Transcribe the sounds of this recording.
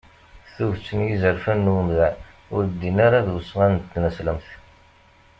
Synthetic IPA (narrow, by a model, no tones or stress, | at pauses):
θuvt͡sːənjizəɾfænːwənɣæ | ʊɾd̪ːinaɾaðwsəʁænt̪ːnæsləmθ